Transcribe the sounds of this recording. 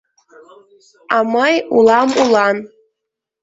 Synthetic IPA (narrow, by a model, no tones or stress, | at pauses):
amajulamulan